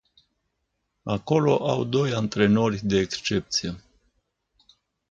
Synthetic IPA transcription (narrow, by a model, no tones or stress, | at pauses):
ako̞lo̞ʔawd̪o̞jant̪ɾe̞no̞rʲd̪e̞ːkst͡ʃe̞p̚t̪sije̞